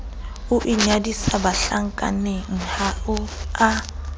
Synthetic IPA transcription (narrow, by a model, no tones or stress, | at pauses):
ʊʔiɲadisabaɬaŋ̩kʼa̰neŋ̩haʊa